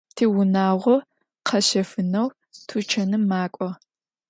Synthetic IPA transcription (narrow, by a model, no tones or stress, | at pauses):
tʰiːwʊnaːʁʷɔ | qʰɐɕɐfɨnɐw | tʰut͡ʃʰɐnɨmaːkʷʼɔ